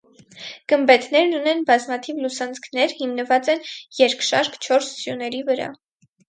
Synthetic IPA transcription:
ɡ̥əmbɛt̪ʰnɛɾnunɛnbɑzmɑt̪ʰivlusɑnt͡skʰnɛɾhimnəvɑt͡sɛnjɛɾkʰʃɑɾkʰt͡ʃʰɔɾszjunɛɾivəɾɑ̰

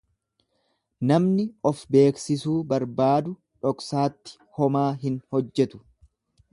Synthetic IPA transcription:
nɐmnɪɔfbe̞ːksɪsuːbɐɾbaːd̪ʊ | ᶑɔksaːt̪ːɪ̥ | hɔmaːɦɪnhɔd͡ʒːɛt̪ʊ̥

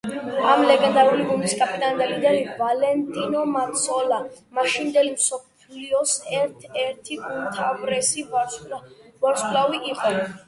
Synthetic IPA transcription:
amlɛɡɛnd̪aɾuliɡuniskʼapʰit̪ʼand̪ɛlind̪ɛlivalɛnt̪ʼinɔmat̪sʰɔlamaʃind̪ɛlimsɔpʰliɔsɛɾt̪ʰɛɾt̪ʰiult̪ʰabɾɛsi | bɔɾskʼlaviʔiqʼɔ

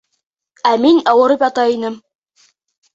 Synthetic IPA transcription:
æminɑwɤ̆ɾɤpjɑt̪ɑinɘm

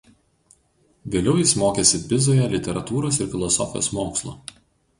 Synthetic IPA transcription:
ʋʲeːlʲɛʊjɪsmoːkʲeːsʲɪbʲɪzoːjɛlʲɪt̪ʲɛɾɐt̪uːɾoːsɪɾfʲɪlˠɔsɔ̰fʲɪjo̰ːsmoːkslˠo̰ː

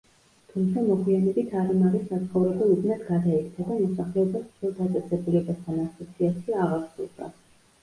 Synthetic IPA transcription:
t̪ʰumt̪sʰamɔɡwianɛbit̪ʰaɾimaɾissat̪sʰχɔvɾɛbɛub̪nat̪ɡad̪aɛkt̪ʰad̪amɔsaχlɛɔbasʰɛlˠd̪at̪sʼɛsɛbulɛbast̪ʰanasat̪sʰiaʃiaʁaɾsṵlˠd̪a̰

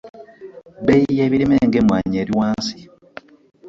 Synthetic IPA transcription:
bejijeβiɾimeːŋɡemwaːɲeːɾiwaːnsi̥

